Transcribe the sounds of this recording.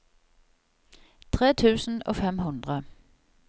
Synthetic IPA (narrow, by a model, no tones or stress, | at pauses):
t̪ʰʁeːt̪ʰʉːsn̩o̰ːfɛmɦʊnd̪̥ʁə